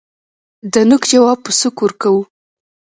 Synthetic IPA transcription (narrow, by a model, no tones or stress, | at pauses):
d̪ənʊkd͡ʒawɑb̚pəsəkuɾkawu